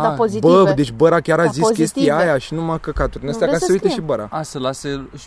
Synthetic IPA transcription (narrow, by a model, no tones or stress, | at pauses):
ozibəd̪e̞t͡ʃʲbəɾakʲaɾaziskʲe̞st̪ijeajaʃinumakəkat̪uɾd̪nəst̪ejakassujt̪eʃibəɾa̰asəlase